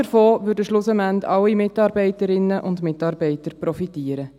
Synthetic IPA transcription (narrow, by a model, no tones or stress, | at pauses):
əɾfoːʋʏːɾdəʃlʊsəmændɑwːimɪtɑːɾbɛɪtəɾɪnːəʔʊndmɪtɑːɾbɛɪtəɾpɾɔfitiːəɾə